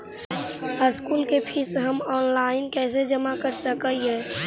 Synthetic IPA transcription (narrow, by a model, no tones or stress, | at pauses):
əskuːlkepʰɪsɦəmɔːnlaːɪnkɛːs̬ed͡ʒəmakəɾsəkəiɦɛː